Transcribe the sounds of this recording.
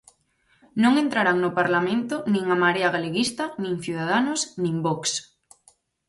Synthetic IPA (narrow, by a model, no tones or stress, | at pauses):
nõŋent̪ɾaɾaŋnopaɾlamẽnt̪onĩŋamaɾeaɣaleɣist̪anĩŋθjuðaðanosnĩmbɔks